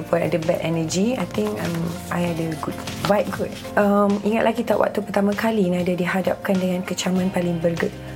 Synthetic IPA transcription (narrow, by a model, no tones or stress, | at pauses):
pɔna̰dəbɛ̰ʔɛnəd͡ʒia̰jt̪ɪ̃ŋkã̰mʔajadəɡud̚wajt̚ɡut̚ | əmiŋat̪lʔakit̪aʔwʔa̰ʔ̚t̪upərt̪amãkalinadadiɦada̰p̚kandəŋãnkət͡ʃamãnpalɪŋbəɾɡət̚